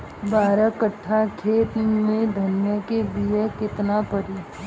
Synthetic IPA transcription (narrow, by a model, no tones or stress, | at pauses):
baːɾəkəʈʰːakʰeːt̪mẽd̪ʱɐnjəkebiəkɪt̪napəɾi